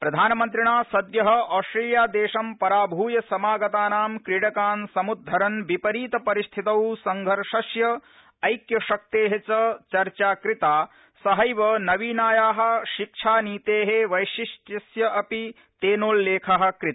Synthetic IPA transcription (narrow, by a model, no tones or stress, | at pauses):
pɾɐd̪ʱaːnɐmɐnt̪̬ɾiɳaːsɐd̪jɐɦɐ̆ʔɔːsʈɾeːljaːd̪eːʃɐmpɐɾaːbʱuːjɐsɐmaːɡɐt̪aːnaːmkɾiɽɐkaːnsɐmud̪ʱːɐɾɐnʋipɐɾiːt̪ɐpɐɾist̪ʰit̪ɐwsɐŋɡʱɐɾʂɐsjɐ | ɐjkjɐʃɐk̚t̪eːɦet͡ʃɐt͡ʃɐɾt͡ʃaːkɾit̪aː | sɐɦɐjʋɐnɐʋiːnaːjaːɦɐ̆ʃikʂʰaːniːt̪eːɦeʋɐjʃiʂʈɐsjɐʔɐpi | t̪eːnoːlːeːkʰɐɦɐ̆kɾit̪ː